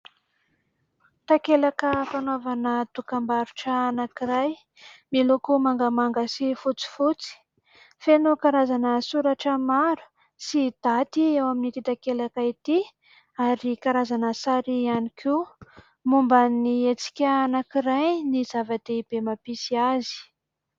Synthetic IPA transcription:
t̪akelakəfanavanət̪ukambaɾuʈ͡ʂəːnakiɾaj | milokumaŋɡamaŋɡasifut͡si̥fut͡si̥ | fenokaɾazanəsuɾaʈ͡ʂəmaɾu̥ | sid̪̥at̪iewaminit̪it̪akelakait̪i | aɾikaɾazanəsaɾianikʰi | mumbaniet͡si̥kʲaːnakiɾajnizavad̪̥eib̥emapisiazi̥

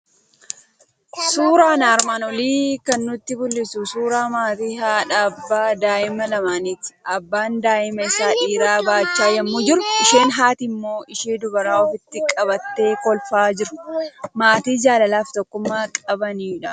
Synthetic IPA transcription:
suːɾaːnaːɾmaːnɔliːkɐnːʊt̪ːɪbʊlːɪsusuːɾaːmaːt̪iːɦaːᶑabːaːd̪aːʔɪmɐlɐmaːniːt̪ɪ̥ʔɐbːaːnd̪aːʔɪmɐɪsaːᶑiːɾaːbaːt͡ʃːaːjɐmːud͡ʒɪɾʊʔɪʃeːnɦaːt̪ɪmːo̞ːʔɪʃiːd̪ʊbɐɾaːɔfɪt̪ːɪkʼɐbɐt̪ːe̞ːkɔlfaːd͡ʒɪɾʊ̥maːt̪iːd͡ʒaːlɐlaːft̪ɔkːʊmːaːkʼɐbɐnᶑɐ

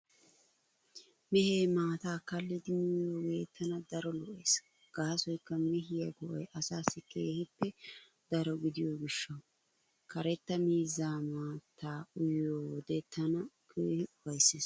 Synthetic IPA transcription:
mɛheːmaːt̪aːkɐlːɪd̪ɪmɪjoːɡe̞ːt̪ːɐnɐd̪ɐɾɔlɔʔeːs | ɡ̥aːsɔjkːɐmɛɦɪjɐɡɔʔɔjʔɐsaːsːɪkeːhɪpːɛ | d̪̥ɐɾɔɡɪd̪ɪjoːɡɪʃːɐw | kɐɾɛt̪ːɐmiːzːaːmaːt̪ʰaːʊjoːd̪et̪ːɐnɐkʰeːhɪʊfɐjsːeːs

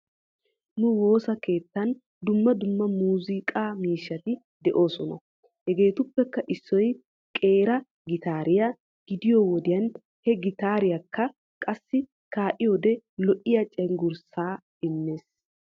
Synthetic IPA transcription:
nʊwo̞ːsɐke̞ːt̪ːɐn | d̪ʊmːɐd̪ʊmːɐmuːzɪkʼaːmiːʃːɐt̪ɪ | d̪ɛʔo̞ːsɔnɐ̰ | hɛɡe̞ːt̪ʊpːɛkːɐʔɪsːɔj | kʼe̞ːɾɐ | ɡɪt̪aːɾɪjɐ | ɡ̥ɪd̪ɪjowɔd̪ɪjɐn | hɛɡɪt̪aːɾɪjɐkːɐ | kʼɐsːɪ | kaːʔɪjoːd̪ɛlɔʔɪjɐt͡ʃʼɛŋɡʊɾsaː | ɪnːeːs

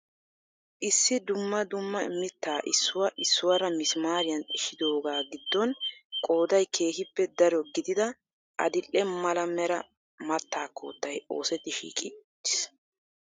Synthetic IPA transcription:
ʔɪsːɪd̪ʊmːɐd̪ʊmːɐɪmːɪt̪ːaːʔɪsːʊwɐʔɪsːʊwɐɾɐmɪsmaːɾɪjɐnɪʃːɪd̪o̞ːɡaːɡɪd̪ːɔnkʼo̞ːd̪ɐjkʰe̞ːhɪpːɛd̪ɐɾɔɡɪd̪ɪd̪ɐ | ʔɐ̰d̪ɪlːɛmɐlɐmɛɾɐ | mɐt̪ːaːkːo̰ːt̪ːɐjo̞̰ːsɛt̪ːɪʃḭːkʼɪt̪ːɪs

